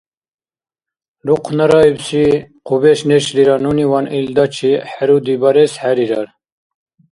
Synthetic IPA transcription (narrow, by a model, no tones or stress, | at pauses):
luqʰnɐɾɑːibsiqubeʃneʃliɾɑːnuniwɑnʔild̪ɑt͡ʃʰiħaɾud̪ibɑɾesħæɾiɾɑɾ